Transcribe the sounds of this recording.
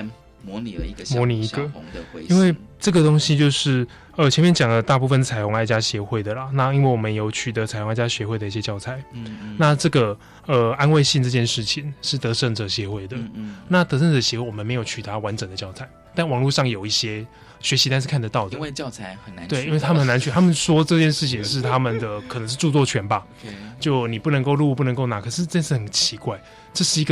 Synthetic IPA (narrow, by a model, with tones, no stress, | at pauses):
mwɔ˧˦ni˨ə̰˨˧mwɔ˧˦ni˨˩i˧˥ɡə˧ŋ˧i˥nwe˥˩ɪʈ͡ʂɤ˥˩ɡə˩t̪o˥ŋɕi˥t͡ɕjo˥˧ʊʂɻ̩˥˩ | ə˩t͡ɕʰjɛ˧˦nmjɛ˥˧nt͡ɕjɑ˨˩ŋlə˦t̪a˥˧pu˥˧fə˨nt͡sʰa˨˩ɪo˧˥ŋa˥˧ɪt͡ɕja˥ɕjɛ˧˥xwe˥˩ɪd̪ə˩lɐ˩na˥˩i˥nwe˥˩ɪwɔ˨˩mə˦njo˧˥ʊt͡ɕʰy˨˩ə˧˦t͡sʰa˨˩ɪo˧ŋa˥˩t͡ɕja˥ɕɥɛ˧˥xwe˥ɪd̪ə˩i˥˩ɕjɛ˧˥t͡ɕjɑ˥˩ʊt͡sʰa˨˧˦ɪna˥˧ʈ͡ʂɤ˥˩ɡə˩ | ə˩a˦˥nwe˥˧ɪɕi˥˧nʈ͡ʂɤ˥˧t͡ɕjɛ˥˧nʂɻ̩˥˩t͡ɕʰi˨ŋʂɻ̩˥˩t̪ɤ˧˦ʂə˥˧˩ŋd͡zɤ˨˩ɕjɛ˧˥xwe˥˩ɪd̪ə˩na˥˩t̪ɤ˧˥ʂə˥˩nd͡zɤ˨˩ɕjɛ˧˥xwe˥˩wɔ˨˩mə˦nme˧ɪjo˨˩ʊt͡ɕʰy˨˩a˨˧˥wa˧˦˥nʈ͡ʂə˨˩ŋd̪ə˩t͡ɕjɑ˥˩ʊt͡sʰa˨˩˦ɪt̪a˥˩nwɑ˨˩ŋlu˥˧ʂɑ˥˩ŋjo˨˩ʊi˥˩ɕjɛ˥ | ɕɥɛ˧˥ɕi˧t̪nʂ̩˥˧kʰa˥˩nd̪ə˩t̪ɑ˥˩ʊd̪ə˨˧t͡ɕt͡sʰa˧˩ə˨˩n˦t̪we˩ɪ˦i˦nwe˥˩ɪa˥mə˨˩na˧˥t͡ɕʰy˥˩t̪ʰa˥mə˨nswɔ˥ʈ͡ʂɤ˥˧t͡ɕjɛ˥˧nʂɻ̩˥˩t͡ɕʰi˨˩ŋʂɻ̩˥˩t̪ʰa˦˥mə˨nd̪ə˩kʰə˨˩nə˧˦ŋʂ̬̩˥˧ʈ͡ʂu˥˧t͡swɔ˥˩t͡ɕʰɥɛ˧˥nba˨ | t͡ɕjo˥˩ʊni˨˩pu˥˩nə˧˥ŋko˥˧ʊlu˥˧pu˥˩˧ŋko˥˩ʊna˨˥kʰɤ˨˩ʂɻ̩˥˩˧ʈ͡ʂə˥˧ʂ̩˥˩xə˨˩nt͡ɕʰi˧˥kwa˥˩ɪ | ʈ͡ʂɤ˥˧ʂɻ̩˥˩i˧˥ɡə˧